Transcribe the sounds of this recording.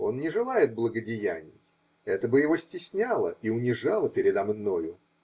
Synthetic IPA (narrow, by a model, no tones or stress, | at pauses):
o̞nnʲɪʐɨlˠajɪt̪̚blˠəɡədʲɪjænʲɪ̰j | ɛt̪əbɨjɪvo̞sʲtʲɪsʲnʲalˠə̰ʔiʊnʲɪʐalˠəpʲɪɾʲɪd̪ɐmno̞jʊ